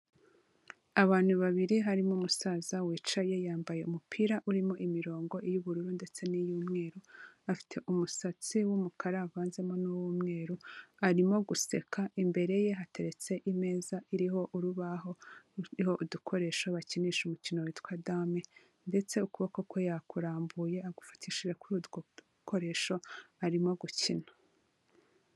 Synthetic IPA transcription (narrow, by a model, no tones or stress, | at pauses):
aβaːn̥huβaβiɾiɦaɾimomusaːzawiːt͡ʃaje̞jaːmbaje̞umupʰiɾaʔuɾimo̞ʔimiɾo̞ːŋɡo̞ʔijuβuɾuɾunde̞t͡se̞nijuːmŋe̞ːɾuafi̥tʰe̞ʔumusat͡siwumukʰaɾavaːnze̞mo̞nuwuːmŋe̞ːɾuaɾimo̞ɡuse̞kʰaʔimbe̞ɾe̞je̞ɦate̞ɾe̞t͡se̞ʔime̞ːzaʔiɾiɦo̞ʔuɾuβaɦo̞iho̞ʔudukʰo̞ɾe̞ʃoβaciniːʃumucino̞witwadaːme̞ | nde̞t͡se̞ukuβokokʰo̞jakuɾaːmbuje̞aɡufḁtʰiʃiʒekuɾudɡo | kʰo̞ɾe̞ːʃo̞aɾimo̞ɡucinḁ